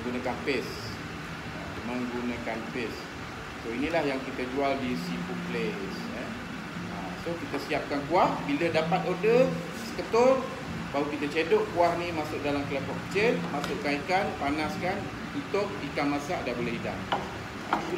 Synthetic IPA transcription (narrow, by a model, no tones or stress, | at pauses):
ɡunakanpɪs | ə̰ | məŋɡunakanpesː | oinĩlahjaŋkit̪əd͡ʒualdisipuples | ə | ə̰ | sokit̪əsiap̚kankuahbilədapat̪odə | sə̥kət̪ʊr | baɦukit̪ət͡ʃedʊʔkuahnĩmasʊʔ̚dalamklakɔʔkə̥t͡ʃelmasʊʔkaikanpanaskan | t̪ut̪ʊk̚ikanmasaʔdabolɛhida̰ŋ | ə̰